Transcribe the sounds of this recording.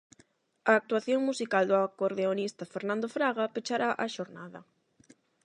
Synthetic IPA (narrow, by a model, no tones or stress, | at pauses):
ɐːk̚t̪uaθjoŋmusikald̪ʊakoɾðeonist̪ɐfeɾnãnd̪ofɾaɣapet͡ʃaɾaʔɐʃoɾnaðɐ